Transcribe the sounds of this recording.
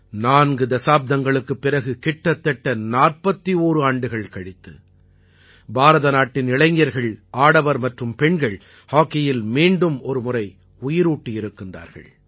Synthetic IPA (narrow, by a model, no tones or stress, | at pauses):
naːnɡɯd̪ɐsaːb̚d̪ɐŋɡɐɭɯkːɯpːɪrɐɣɯkɪʈːɐt̪ːɛʈːɐnaːrpɐt̪ːioːɾɯaːɳɖɯɣɐɭkɐɻɪt̪ːɯ̰ | baːɾɐðɐnaːʈːɪnɪɭɐɪŋjɐɾɣɐɭʔaːɽɐʋɐɾmɐʈrɯmpɛɳɡɐɭ | haːkːɛjɪlmiːɳɖɯmɔɾɯmʊrɐɪ | ʊjɪɾuːʈːijɪɾɯkːɪndra̰ːɾɣɐ̰ɭ